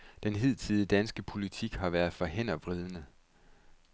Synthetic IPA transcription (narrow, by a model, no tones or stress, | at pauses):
d̥enɦe̝ð̞̰ˠt͡sʰið̞ˠəd̥ænsɡ̥əpʰo̝lit͡sʰiɡ̥hɑ̈ʋæɐðˠfɒ̽ɦen̰ɐʋʁið̞ˠənə